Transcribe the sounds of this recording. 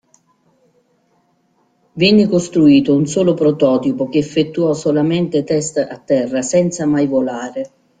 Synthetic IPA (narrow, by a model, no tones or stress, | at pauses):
vɛnːɪkost̪ɾuiːt̪ʊunsoːlopɾot̪ɔːt̪ipok̟ɪːfːet̪ːuɔsolamɛnt̪et̪ɛst̪at̪ːɛrːasɛnt̪samajvolaːɾe